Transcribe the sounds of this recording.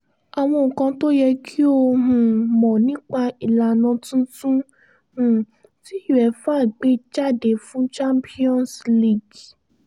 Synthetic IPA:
a˨w̃ɔ̃˧o˨kã˧to˦jɛ˧kʰi˦o˧ɦũ˧mɔ̃˨nĩ˦k͡pa˧i˨la˨nã˧tũ˦tũ˦ | hũ˧ | ti˦ju˨ɛ˨˦fa˦˨ɡ͡be˦d͡ʒa˦˨de˨fũ˦t͡ʃã˦mpʰi˦ɔ̃˦nsli˦˨ɡ

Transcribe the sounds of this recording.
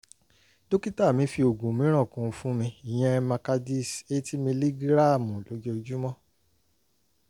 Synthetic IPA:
do˦ki˦ta˦˨mĩ˨˦fi˧o˨ɡũ˨mĩ˨˦ɾ̃ɔ̃˦˨kũ˧˦fũ˦mĩ˧i˨j̃ɛ̃˧˦mã˧ka˧di˦˨se˦ti˦mĩ˧li˦ɡɾa˦˨mũ˨lo˨˦je˦˧d͡ʒu˦mɔ̃˦

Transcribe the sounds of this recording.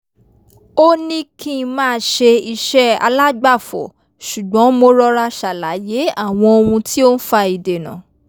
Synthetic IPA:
o˦nĩ˦kĩ˦˨˧mãː˦˧˦ʃe˧i˧ʃɛ˦a̰˧la˦ɡ͡ba˦˨fɔ̰˨ | ʃu˨ɡ͡bɔ̃˨˦mo˧ɾɔ˧ɾa˧ʃa˨la˨˦je˨˦a˦˨w̃ɔ̃˧o˧ũ˧ti˦o˦n̩˦fa˧i˨de˨nã̰˨

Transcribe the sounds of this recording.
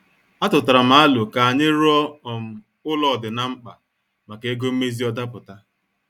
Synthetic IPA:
a˦tʊ˨tʊ˨ɾa˨m̩a˨a˦lʊ˨ka˨a˨ɲɪ˦ɾɔ˦ɔ˨m̩˨ | ʊ˦lɔ˦˨dɪ˨na˨ŋ͡m̩˦k͡pa˨ | ma˨ke˨e˦ɡo˦m̩˦me˦zi˦ɔ˦da˦pʊ˨ta˦

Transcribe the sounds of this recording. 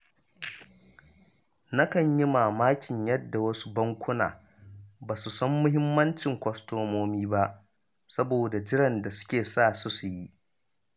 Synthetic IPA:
na˦kɐ˨ɲji˦maː˨maː˦kʲɪ˨ɲjɐ˦dːa˨wɐ˦su̥˦bɐ˦ŋkʷʊ˦na̰ː˨ | baː˨su˨sɐ˦mːʊ˦ɦɪ˦mːɐ˦nt͡ʃɪ˨ŋkʷɔ˦stoː˦moː˦miː˦ba˦ʔ | sɐ˦boː˨da˨d͡ʒɪ˦ɽɐ˨nda˨sʊ̥˦kʲeː˨saː˦˨sʊ˦su˨ji˦ʔ

